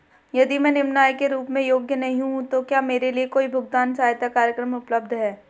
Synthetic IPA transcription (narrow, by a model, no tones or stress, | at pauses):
jɐd̪imɛ̃ːnɪmnaːjkeɾuːpmẽjoːɡjənɐɦĩɦũt̪okjaːmeːɾeliekoːibʱʊɡ̚t̪aːnsaːjt̪akaːɾjəkɾəmʊpləb̚d̪ʱɦɛː